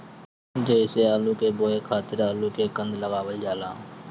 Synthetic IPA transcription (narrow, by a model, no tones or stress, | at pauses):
d͡ʒeːseːaːluːkeːboːeːkʰaːt̪ɪɾaːluːkeːkənd̪ləɡaːʋəld͡ʒaːlãː